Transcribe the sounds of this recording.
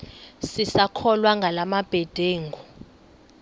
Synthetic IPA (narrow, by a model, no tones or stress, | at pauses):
sisakʰɔlwaŋɡʱalamab̥ʱɛd̥ʱeːŋɡɔ